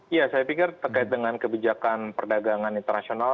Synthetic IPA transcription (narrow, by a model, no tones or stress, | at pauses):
jasajapikɪrt̪ərkaɪt̪̚dəŋankəbid͡ʒakanpərdaɡaŋanint̪ərnasional